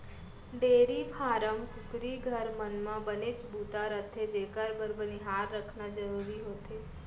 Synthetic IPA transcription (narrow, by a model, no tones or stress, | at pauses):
ɖeːɾipʰaːɾəmkʊkɾiɡʱəɾmənmãbənet͡ʃbut̪aɾət̪ʰːed͡ʒekəɾbəɾbəniɦaɾːəkʰnad͡ʒəɾuɾiɦot̪ʰe